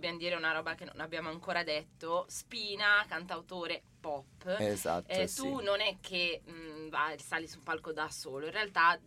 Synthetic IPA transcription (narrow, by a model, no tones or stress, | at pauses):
bjamd̪iːɾeunaɾɔːbak̟enːo̰nabjaːmoaŋkoːɾad̪ɛt̪ːospiːnakant̪awt̪oːɾe | pɔpːeza̰t̪ːt̪unonɛk̟ːevasalisumpalkod̪asoːloinrealt̪a